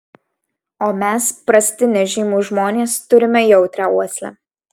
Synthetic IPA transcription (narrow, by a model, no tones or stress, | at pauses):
oːmʲɛspɾɐsʲt̪ʲɪnʲɛʒʲiːmuːʒmoːnʲeːst̪ʊɾʲɪmʲɛjɛʊt̪ʲɾʲɛuɔsʲlʲɛ̰